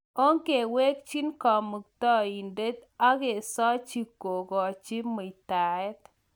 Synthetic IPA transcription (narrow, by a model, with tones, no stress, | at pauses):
o˦ŋke˨we˦k̚t͡ʃi˦nkɔ˨mu˨k̚t̪ɔ˦i˨nde˦t̪a˦ɡe˨sɔ˦t͡ʃi˦ko˨ɡɔ˨t͡ʃi˦mo˨i˨t̪a˨ɛ˦t̪